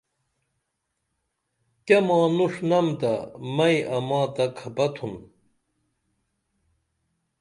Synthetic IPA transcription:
kɐmãːnuʂnɐmt̪ɐ̰mɐjʔɐmãːt̪ɐkʰɐpɐt̪ʰun

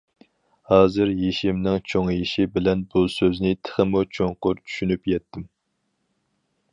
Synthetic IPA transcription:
hɑːzɨɾjeʃimnɪŋt͡ʃʰoŋjeʃibɪlɛnbusøznɪt̪ʰə̥χəmut͡ʃʰoŋqʊɾt͡ʃʰy̥ʃynypjɛt̪ʰːɪm

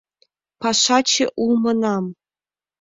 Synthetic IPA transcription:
pɑʂɑt͡ɕeʔulˠmɤ̆nɑm

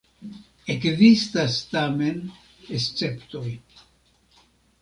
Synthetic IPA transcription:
ekzist̪ast̪ame̞n | est͡se̞pt̪oj

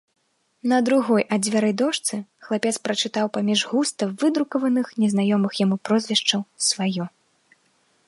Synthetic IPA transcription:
nɐd̪ɾuɣɔjʔad͡z̪ʲvʲaɾɐjd̪ɔʂt̪sɨxlˠapʲɛt̪spɾɐt͡ʂɨt̪awpamʲiʐɣust̪ɐvɨd̪ɾukɐvɐnɨxnʲɛznajɔmɨxjamupɾɔzʲvʲɛʂt͡ʂɐwsvajɔ

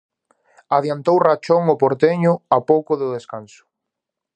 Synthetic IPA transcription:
aðjant̪owrat͡ʃoŋʊpoɾt̪eɲʊapowkʊðʊðeskansʊ̥

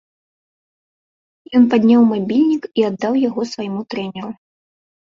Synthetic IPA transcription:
jɔnpad̪ʲnʲawmabʲilʲnʲikiad̪ːawjaɣɔsvajmut̪ɾɛnʲɛɾu

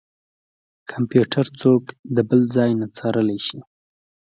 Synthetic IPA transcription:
kʰampjuʈʰaɾt͡sokd̪əbəld͡zɑjnat͡sɑɾəlajʃi

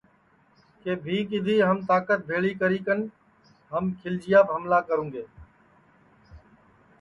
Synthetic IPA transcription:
keːbʱiːkɪd̪ʱiːɦəmt̪aːkət̪̚bʱeːɭiːkəɾiːkən | ɦəmkʰɪld͡ʒɪjaːbɦəmlaːkəɾũːɡeː

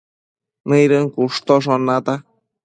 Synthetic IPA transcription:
nɨ̃jɾɨŋkuʂt̪oʂ̬onat̪a

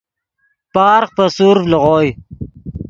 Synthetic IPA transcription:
pɑːɾqpəsuɾfləʁoːj

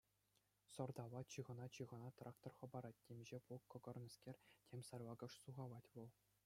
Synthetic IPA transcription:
sɤ̆rd̪ɑʋɑt͡ɕɯʁɤ̆nɑt͡ɕɯʁɤ̆nɑt̪rʔɑkt̪orχɤ̆bɑɾɑt̚ʲtʲemʲʑepukːɤ̆ɡɤ̆rnʲɤ̆skʲerʲtʲʰemʲsɑrʋɑɡɤ̆ʂsuʁɑʋˠɑtʲʋɤ̆lˠ

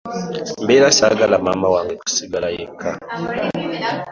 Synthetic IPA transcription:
mbelasa̰ɡalamamawaŋɡeku̥siɡalajeka

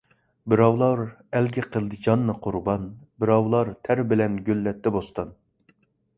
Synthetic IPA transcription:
bɪɾɑwlˠɑɾ | ɛlɡʲɛqʰəlˠd̪ɨd͡ʒɑnːɨqʰʊɾbɑnbɪɾɑwlˠɑɾt̪ʰæɾbɪlɛnɡʲølːɛt̪ʰːɛbost̪ɑn

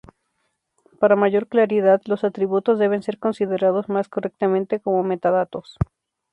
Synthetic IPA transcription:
paɾamaʝo̞ɾklaɾiðaðlo̞sat̪ɾiβut̪ozðe̞β̞e̞nse̞ɾko̞nsiðe̞ɾað̞o̞zmaskore̞k̚t̪amẽnt̪e̞ko̞mo̞me̞t̪aðat̪o̞s

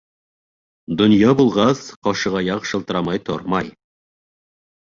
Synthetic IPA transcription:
d̪ŏnjɑbulˠʁɑsqɒʃɤ̆ʁɑjɑqʃɤ̆lˠt̪ɤ̆ɾɑmɑjt̪ʰoɾmɑj

